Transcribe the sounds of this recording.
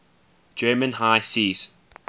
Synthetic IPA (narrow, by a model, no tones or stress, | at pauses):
d͡ʒɜːmə̃nhaɪsiːz̥